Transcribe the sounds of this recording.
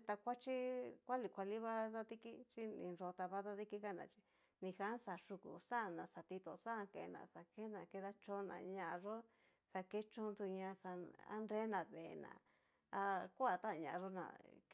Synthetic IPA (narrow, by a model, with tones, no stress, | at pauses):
t̪a˧kʷa˦t͡ʃi˦kʷa˦li˧kʷa˧li˦βa˦ða˦t̪i˦ki˦t͡ʃi˦nḭ̃˧ɾo˧t̪a˧βa˦ða˦ði˦ki˦ka˦˨nã̰˧˨t͡ʃi̥˧ | nĩ˧xa˦sa˨ʂu˧kṵ˨sa˦˧˨nã˨sa˨t̪i˧t̪o˧˨sa˦˧kḛ˧nã̰˧˨sa˧ke˦nã˧ke˧ða˧˦t͡ʃõ˦nã̰˧˨ɲã˧ʔʐo˦ | sa˧ke˦t͡ʃõ˦nd̪u˧ɲã˧sa˧a̰˦nɾe˦nã˨˧ðḛ˨nã̰˧˨ | a˧kʷa˨t̪a˦˨˧ɲã̰˧ʐo˦nã̰˧˨